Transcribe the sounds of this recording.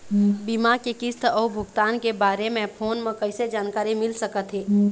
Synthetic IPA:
bimakekɪst̪ʰɔːbʱʊɡt̪aːnkebaɾemẽpʰoːnmẽkəɪsed͡ʒaːnkaːɾimɪlsəkət̪ɦeː

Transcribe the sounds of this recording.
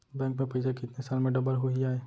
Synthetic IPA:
bɛ̃ːŋkmẽpɐɪsekɪt̪nesaːlmẽɖɐbəɾɦoiaːeː

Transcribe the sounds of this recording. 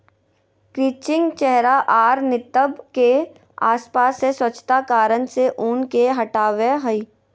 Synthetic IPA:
kɾiːt͡ʃɪ̃ŋɡt͡ʃɛɦɾaʔaːɾnɪt̪əbke | a̰ːspaːsːeswət͡ʃʰt̪akaːɾənseʔʊnkeɦɐʈaːʋeɦəiː

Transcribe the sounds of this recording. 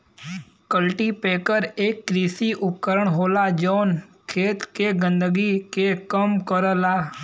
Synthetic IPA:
kəlʈipekəɾekːɾisiʔʊp̚kəɾəɳɦoːlad͡ʒonkʰeːt̪keɡə̃nd̪əɡikekəmkəɾəla

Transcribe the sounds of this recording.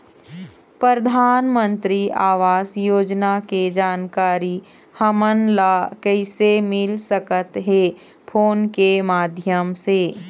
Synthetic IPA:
pɾəɾd̪ʱaːnmə̃nt̪ɾiaːʋaːsjoːd͡ʒnaked͡ʒaːnkaːɾi | həmənlakɛɪsemɪlsəkət̪ɦe | pʰoːnkemaːd̪ʱjəmseː

